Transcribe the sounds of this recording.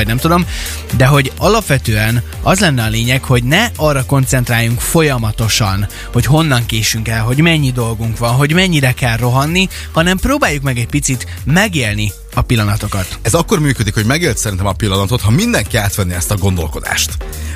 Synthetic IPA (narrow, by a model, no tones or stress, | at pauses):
nɛmt̪ud̪o̞m | d̪ɛɦo̞ɟɒlɒpʋɛt̪øːɛn | ɒzlɛnːɛɒleːɲɛkho̞ɟnɛɒrːɒko̞nt̪sɛnt̪raːjːuŋkfo̞jɒmɒt̪o̞ʃɒn | ho̞cɦo̞nːɒŋkeːʃyŋkɛlɦo̞ɟmɛɲːid̪o̞lɡuŋkʋɒnɦo̞ɟmɛɲːiɾɛkɛlro̞ɦɒnːi | hɒnɛmproːbaːjːukmɛɡɛɟpit̪sit̪ | mɛɡeːlni | ɒpilːɒnɒt̪o̞kɒt̪ɛzɒkːo̞rmyːkød̪ikho̞ɟmɛɡeːlt̪sɛɾint̪ɛmɒpilːɒnɒt̪o̞t̪hɒmind̪ɛŋkiaːt̪ʋɛnːiɛst̪ɒɡo̞nd̪o̞lko̞d̪a̰ːʃt̪